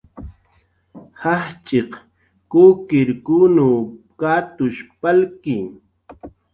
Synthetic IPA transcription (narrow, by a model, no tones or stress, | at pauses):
haht͡ʃeq | koːkɪɾkunu | kaːt̪ʊʃpalki